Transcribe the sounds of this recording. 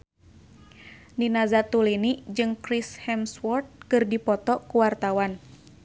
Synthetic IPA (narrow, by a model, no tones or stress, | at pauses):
ninazat̪ulinid͡ʒɨŋkɾishɛmswɔrt̪̚kɨrdipɔt̪ɔkuwart̪awan